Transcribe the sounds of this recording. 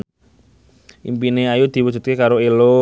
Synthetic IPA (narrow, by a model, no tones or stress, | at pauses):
ʔimpineajud̪̥i̤wud̥ʒ̥ṳt̪̚kekaɾoelo